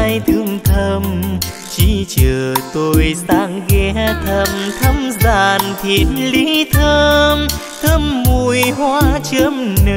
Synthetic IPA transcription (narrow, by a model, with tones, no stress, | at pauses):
jt̪ʰɨ˧˥əŋt̪ʰə˧m | t͡ɕi˧˦t͡ɕəː˨˩t̪o˧jsaː˧˥ŋɣɛ˧˦t̪ʰə˧mt̪ʰə˧mzaː˧˨˩nt̪ʰi˧˩˨ənli˧˦t̪ʰəː˧m | t̪ʰə˧mːu˧˩jhwaː˧t͡ɕə˧mnə˧